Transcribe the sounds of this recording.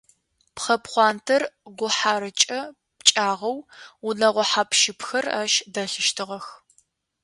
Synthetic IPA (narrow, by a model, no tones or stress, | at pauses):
pχɐpχʷɑːntʰɐrɡʷʊħaːɾɨt͡ʃʼɐ | pt͡ʃʼaːʁɐwunɐʁʷɔħaːpʃɪpxɐra̰ʃdɐɬɨʃtʰɨʁɐx